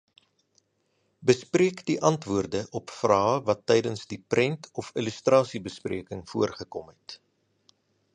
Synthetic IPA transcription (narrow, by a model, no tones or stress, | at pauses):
bəspriəkdiʔɐntvuərdəʔɔpfrɑːvɐtːɛjdənsdiprʔɛntʰɔfilʉstrɑːsibəsprḭəkəŋfuərχəkɔmɦɛt